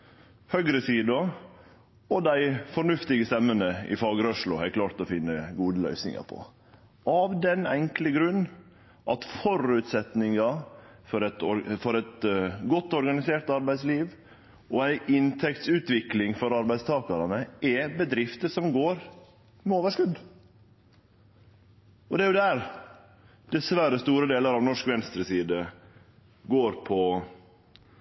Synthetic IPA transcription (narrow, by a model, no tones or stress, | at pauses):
hœɡɾəsiːd̪ɑ | ɔd̪æɪfɔɳʉft̪ɪɡəst̪ɛmːənəɪ̰fɑːɡəɾɔʂlʊhæklɑːɾt̪ɔfɪnːəɡuːd̪əlœ̰ʏsnɪ̰ŋɑ̰pʰɔ̰ | ʔɑʋd̪ɛnɛŋkləɡɾʉnː | ʔɑt̪fɔɾʉt̪sɛt̪nɪŋɑfɔɾɛt̪ɔɾfɔɾɛt̪ɡɔt̪ːɔɾɡɑnɪseːʈ̪ɑɾbæɪsliːʋ | ɔæɪʔɪnt̪ʰɛkt̪sʉːt̪ʋɪklɪŋfɔɾɑɾbæɪst̪ʰɑːkɑɾɑnəʔɛbəd̪ɾɪft̪əʂɔmɡoːɾ | mɛoːʋəʂkʉd̪ | ɔd̪ɛæɾjʊd̪æɾ | d̪̥ɛsʋæɾəst̪uːɾəd̪eːləɾɑʋnɔʂkʋɛnst̪ɾəsiːd̪ə | ɡoːɾpʰɔ